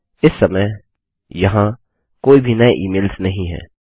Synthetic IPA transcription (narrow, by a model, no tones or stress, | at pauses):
ɪsːɐməj | jɐɦã | koːibʱinɐeʔiːmeːlsnɐɦĩɦɛ̰ː